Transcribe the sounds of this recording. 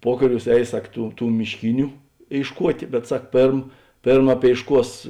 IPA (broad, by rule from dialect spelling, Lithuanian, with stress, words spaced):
ˈpuɔkɐˌrʲuːs ˈɛɪs ˈsɐk ˈtuː ˈtuː mʲɪʃʲˈkʲɪnʲʊ eːɪʃˈkuɔtʲeː bʲɛt ˈsɐk ˈpʲeːrm ˈpʲeːrm ɐpʲeːɪʃˈkuɔs